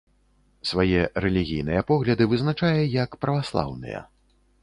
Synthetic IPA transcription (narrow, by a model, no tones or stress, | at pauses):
svajɛɾɛlʲiɣʲijnɨjɐpɔɣlʲɐd̪ɨvɨznat͡ʂajɛjɐkpɾɐvaslˠa̰wnɨ̰jɐ̰